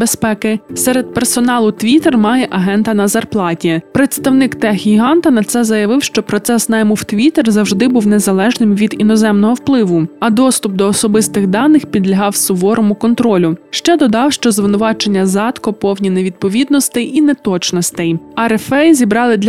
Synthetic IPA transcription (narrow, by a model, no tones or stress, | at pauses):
bespɛkɪsɛɾed̪̚persɔnɑlˠʊt̪ʋʲit̪ermɑjɛʔɐɦɛnt̪ɐnɐzɐrplˠɑtʲipɾet̪st̪ɐwnɪkt̪ɛɦʲiɦɑnt̪ɐnɐt̪sɛzɐjɐʋɪwʃt͡ʃɔpɾɔt̪sɛsnɑjmʊwt̪ʋʲit̪erzɐwʒd̪ɪbuwnezɐlˠɛʒnɪmʋʲid̪inɔzɛmnɔɦɔwplˠɪʋʊɐd̪ɔst̪ʊp̚d̪ɔːsɔbɪst̪ɪɣd̪ɑnːɪxpʲid̪lʲɐɦɑwsʊbɔɾɔmʊkɔnt̪ɾɔlʲʊʃt͡ʃɛd̪ɔd̪ɑwʃt͡ʃɔzʋɪnʊʋɑt͡ʃenʲːɐzɑt̪kɔpɔwnʲineʋʲid̪̚pɔʋʲid̪̚nɔst̪ɛjʔinɛt̪ɔt͡ʃnɔst̪ɛjɐɾɛfɛjzʲibɾɑlˠɪd̪lʲ